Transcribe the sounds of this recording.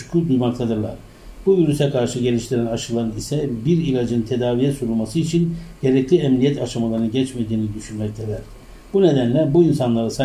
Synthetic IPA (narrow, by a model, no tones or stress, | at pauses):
kʰud̪ujmakt̪ʰad̪ɯɾlˠa̰ɾ̥ | b̥uviɾysɛkʰaɾʃɯɟe̞lʲiʃt̪ʰiɾænaʃɯlˠaɾɯnisɛbiɾilʲad͡ʒɯnt̪ʰed̪aːvijɛsuɾulˠmasɯit͡ʃʰinɟ̥eɾɛclʲiɛmnijɛt̪ʰaʃamalˠaɾɯnɯɟɛt͡ʃmed̪iːnid̪yʃynmɛc̚t̪ʰʲed̪æɾ̥ | buned̪ænlʲæbuinsanlˠaɾɯsa